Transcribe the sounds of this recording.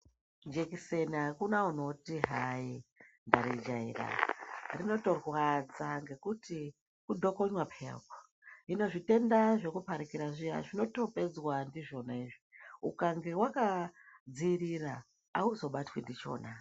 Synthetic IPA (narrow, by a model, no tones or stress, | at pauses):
d͡ʒekisenakunauno̞tiɦai | ndaɾid͡ʒaḭra̰rino̞to̞rwad͡zaŋɡe̞kuti | kudʱo̞ko̞ɲwapʰḛpo̥ | ino̞ʐite̞ndaʐe̞kupaɾikiɾaʐija̰ʐino̞to̞pe̞d͡zwandiʐo̞naiʐiṵkaŋɡe̞wakad͡ziɾira | auzo̞ɓatwendit͡ʃo̞̰ːna